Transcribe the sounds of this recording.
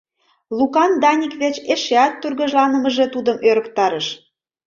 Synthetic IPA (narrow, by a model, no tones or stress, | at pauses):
lukɑnd̪ɑnʲikβet͡ɕeʃeɑt̪ːurɣɤ̆ʒlɑnə̆mə̆ʒet̪ud̪əmøɾə̆kt̪ɑɾə̆ʃ